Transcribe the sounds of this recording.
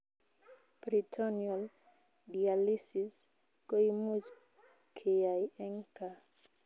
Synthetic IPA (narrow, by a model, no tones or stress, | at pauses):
b̥ɾitʰoniol | dialisis | kojmuz | kʰejajeŋka